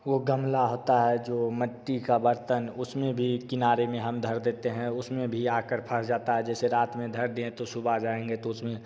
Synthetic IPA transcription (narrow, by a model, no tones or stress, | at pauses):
ʋoɡəmlaɦoːt̪aɦɛd͡ʒoːməʈːikabəɾt̪ənʊsmẽbʱikɪnaːɾemẽɦəmd̪ʱəɾd̪eːt̪eɦɛ̃ʊsmẽbʱiaːkəɾpʰəɾd͡ʒaːt̪aɦɛd͡ʒɛːseɾaːt̪mẽd̪ʱəɾd̪eẽt̪osʊbʱad͡ʒaːẽŋɡet̪oʊsmẽ